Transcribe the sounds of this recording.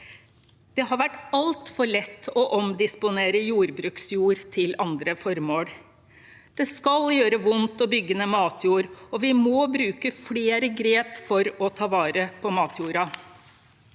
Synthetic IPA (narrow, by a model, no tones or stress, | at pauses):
d̪̥ɛɦɑɾʋæʈːɑlt̪fɔɭɛt̪ːɔʔɔmd̪ɪspʊneːɾəjuːɾbɾʉːksjuːɾt̪ʰɪlɑnd̪ɾəfɔɾmoːɽ | d̪̥ɛskɑljøːɾəʋʊnt̪ɔbʏɡːənəmɑːt̪ʰjuːɾɔʋɪmoːbɾʉːkəfɽeːɾəɡɾeːpfɔɾɔt̪ʰɑːʋɑːɾəpʰɔmɑːt̪ʰjuːɾɑ